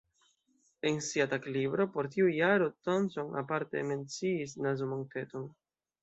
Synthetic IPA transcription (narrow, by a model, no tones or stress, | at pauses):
ensiataklibɾo̞po̞ɾtiujaɾotonso̞na̰paɾte̞̰me̞nt͡siːs̬nazomonte̞ton